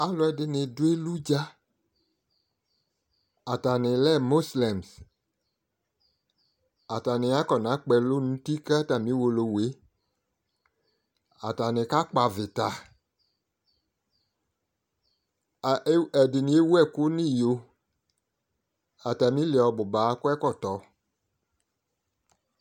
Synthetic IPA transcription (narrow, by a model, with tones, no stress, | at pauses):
a˨lɔ˨˦ɛ˨dɪ˨nɪ̃˨dʊ˦e˦lu˦d͡ʒa˦ | a˨ta˨nɪ̃˨lɛ˦˨mo˦slɛ˨ms | a˨ta˨nɪ̃˨a˦kɔ˨nã˨˦k͡pɛ˧lo˦nũ˨˦ti˦ka˦ta˨mĩ˦wo˧lo˨we˨˦ | a˨ta˨nɪ̃˨ka˦k͡pa˨vɪ˨ta˨˦ | ɛ˨dɪ˨nĩ˨˦e˦wu˦ɛ˦˨ko˦nĩ˦jo˨ | a˨ta˨mĩ˦le˨ɔ˨bʊ˨ba˨˦kʊ˦ɛ˦kɔ˦˨tɔ˨˦